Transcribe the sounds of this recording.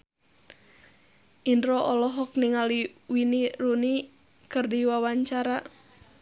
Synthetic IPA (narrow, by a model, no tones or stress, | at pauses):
ʔindɾɔʔɔlɔɦɔk̚niŋaliwiniɾuni | kɨrdiwawaɲt͡ʃaɾa